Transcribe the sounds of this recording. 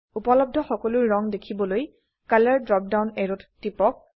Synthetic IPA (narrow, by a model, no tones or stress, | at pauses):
upɔlɔb̚dʱɔxɔkɔlʊɹːɔŋdekʰibɔloj | kalɛɹdɹɔp̚dawnɛɹuttːipɔk̚